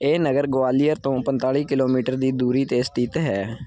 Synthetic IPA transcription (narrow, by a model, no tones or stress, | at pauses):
eːnəɡəɾɡoaːlijəɾt̪õːpənt̪aːɭiːkɪloːmiːʈəɾd̪iːd̪uːɾiːt̪eːst̪ɪt̪ɦɛː